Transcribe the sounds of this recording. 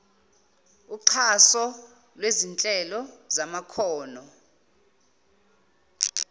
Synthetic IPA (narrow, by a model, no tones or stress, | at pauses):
uǀʰasɔ | lwezint͡ɬʼɛlɔzamakʰɔːnɔ